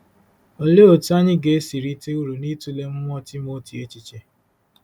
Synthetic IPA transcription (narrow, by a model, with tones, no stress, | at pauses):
o˨le˦o˨tu˦a˦ɲɪ˦ɡe˨e˦si˨ɾi˦te˦u˦ɾu˨ni˦tu˦le˦m̩˦ŋʷ˦ɔ˦ti˦m˦o˦ti˨e˦t͡ʃi˦t͡ʃe˦